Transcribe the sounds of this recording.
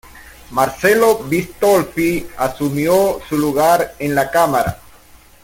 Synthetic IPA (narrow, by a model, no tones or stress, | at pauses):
maɾselobist̪olpiasumjosuluɣaɾenlakamaɾa̰